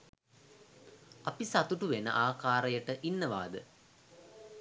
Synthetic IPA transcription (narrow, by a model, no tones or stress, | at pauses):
ɐpisat̪uʈuʋenə̰ʔaːkaːɾɐjəʈəʔinːəʋa̰ːd̪ə